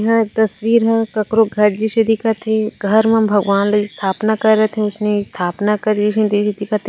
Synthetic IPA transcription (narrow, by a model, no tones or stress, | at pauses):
ɦɛt̪ɐswiːɾɦɛkɐkɾoɡʱɐɾd͡ʒɪʃɐd̪ikat̪ʰeɡʱɐɾmẽbʱɐɡʋaːnlɐist̪ʰaːpnakɐɾːɐɦet̪ʰeɦɛ̃ʊsnest̪ʰaːpnakɐɾd͡ʒiʃẽd̪iʃɪd̪ɪkat̪ʰ